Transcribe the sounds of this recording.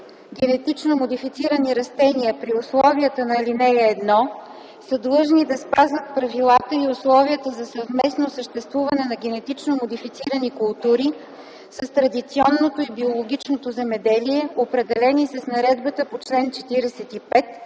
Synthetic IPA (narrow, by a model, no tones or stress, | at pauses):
ɡʲɛnɛt̪it͡ʃnomod̪ifit̪siɾəniɾɐst̪ɛniəpɾiʊslˠɔviət̪ənɐilinɛɛːd̪nɔ | səd̪lˠɤʒnid̪ɐspazvət̪̚pɾɐvilˠat̪əiʊslˠɔviət̪əzɐsəvmɛsnosəʃt̪ɛst̪vuvɐnɛnɐɡʲɛnɛt̪it͡ʃnomod̪ifit̪siɾənikʊlˠt̪uɾi | səst̪ɾɐd̪it̪siɔnːot̪oibiolˠoɡ̟ʲit͡ʃnot̪ozɛmɛd̪ɛliɛopɾɛd̪ɛlɛnisɐsnɐɾɛd̪bət̪əpot͡ʃlɛnt͡ʃɛt̪iɾɛsɛt̪ipɛt̪